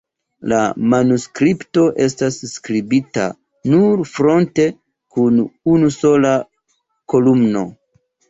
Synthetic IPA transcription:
la̰manuskɾipto̞ʔe̞stasːkɾibita̰ | nuɾfɾo̞nte̞ | kununuso̞la | ko̞lumno̞

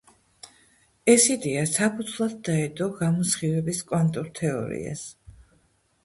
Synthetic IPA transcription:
ɛsid̪iasapʰut̪sʰvlˠad̪̚ːaɛd̪ɔɡamɔsχivɛbiskʼwant̪ʼuɾt̪ʰɛɔ̰ɾḭa̰s

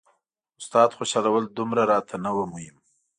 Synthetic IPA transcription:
ʊst̪ɑd̪xoʃɑlawəld̪ʊmɾaɾɑt̪ʰanawəmuhɪm

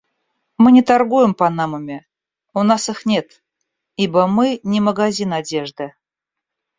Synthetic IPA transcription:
mɨnʲɪt̪arɡujɪmpɐnaməmʲɪ | unasɨxnʲe̞t̪ | ibəmɨnʲɪməɡazʲinadʲe̞ʐd̪ɨ

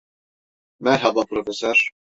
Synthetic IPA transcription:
mæɾɦabapɾofesœɾ̥

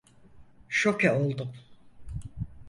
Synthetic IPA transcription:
ʃokʰɛolˠd̪um

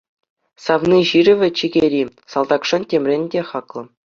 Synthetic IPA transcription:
sɑvnʲiʑirʲɘ̆ʋʲɘ̆t͡ɕiɡʲeɾʲisɑlˠd̪ɑkʂɤ̆ntʲemʲrʲenʲdʲeχɑklˠɤ̆

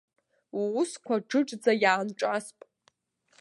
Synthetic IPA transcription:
uːskʷʰaʈ͡ʂɨʈ͡ʂʼd͡zajaːnʈ͡ʂʼaspʼ

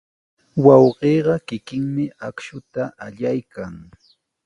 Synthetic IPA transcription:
wɑwɢeːɢɑkɪkɪŋmɪakʃʊt̪aʔaʎajkaŋ

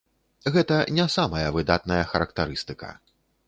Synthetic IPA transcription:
ɣɛt̪ɐnʲasamɐjɐvɨd̪at̪nɐjɐxɐɾɐkt̪aɾɨst̪ɨkɐ̰

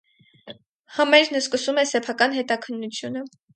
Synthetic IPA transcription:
həmɛɾnəskəsumɛsɛpʰɑkɑn̪hɛt̪ɑkʰənːut͡sʰjunə

